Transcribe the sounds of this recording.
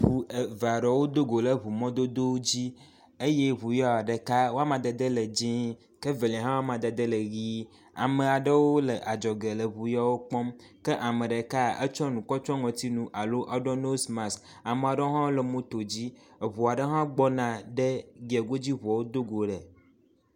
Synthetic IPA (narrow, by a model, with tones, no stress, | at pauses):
ɸu˨e˨va˨ɖɔ˨wo˦d̪o˦ɡo˨lə˨βu˨mɔ̃˦d̪o˦d̪o˦wd͡ʑi˦ | e˦je˦βu˨jɔ˦a˨ɖə˨ka˦wo˦a˦mã˨d̪ə˨d̪ə˦lə˨d͡ʒĩ˦ | kə˦ve˨lĩ˨ɦã˦wa˦mã˨d̪ə˨d̪ə˦lə˨ɡi˦ | a̰˨mə̃˨a˨ɖə˦wo˦lə˨ʔa˨d͡ʒɔ˨ɡe˨lə˨βu˨jɔ˦wo˦k͡pɔ˦m | kə˦ʔa˨mə̃˨ɖɛ˨ka˦ə˦t͡ʃɔ˦nũ˨kɔ˦t͡ʃɔ˦ŋɔ̃˨t̪i˦nũ˨ʔa˨lo˦ʔa˦ɖɔ˦no˦sma˨sk | a˨mə˨a˨ɖə˦o˦ɦã˦wo˦lə˨mũ˦t̪o˨d͡ʑi˦˨βu˨a˨ɖə˦ɦã˦ɡ͡bɔ˦nã˨ɖə˦ɡi˨ɛ˨ɡo˦d͡ʑi˦βu˨a˨wo˦d̪o˦ɡo˨ɖɛ˨